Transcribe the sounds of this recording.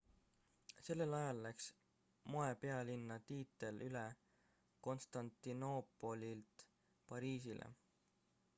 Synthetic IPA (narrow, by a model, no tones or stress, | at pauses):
se̞lːe̞lɑjɑlːæks | mo̞e̞pe̞ɑlinːɑt̪iːt̪ːˑe̞lʔyle | ko̞nst̪ɑnt̪ːino̞pˑo̞lilt̪ | pɑɾiːsilʔḛ